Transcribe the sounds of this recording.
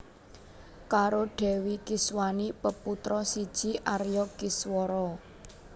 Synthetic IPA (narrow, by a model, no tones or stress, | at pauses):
kaɾoɖ̥ɛ̤wikɪswanipəput̪ɾɔsid̥ʒ̥i̤ʔaɾjɔkɪswɔɾɔ